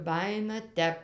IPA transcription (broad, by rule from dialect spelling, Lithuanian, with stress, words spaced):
ˈbɑːjɪnɐ ˈtʲɛp